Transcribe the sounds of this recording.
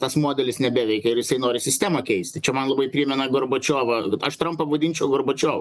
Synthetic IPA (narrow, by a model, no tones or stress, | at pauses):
t̪ɐsmoːd̪ʲɛlʲɪsnʲɛbʲæːʋʲɛɪkʲɛɪɾjɪsɐɪnoːɾʲɪsʲɪsʲt̪ʲæːmɐkʲɛɪsʲt̪ʲɪt͡ʃʲɛmɐnlˠɐbɐɪpʲɾʲiːmʲɛnɐɡorboːt͡ʃʲoːʋɐtɐʃt̪ɾɐmpɐʋɐd̪ʲinʲt͡ʃʲɛʊɡorbot͡ʃʲoːʋɐ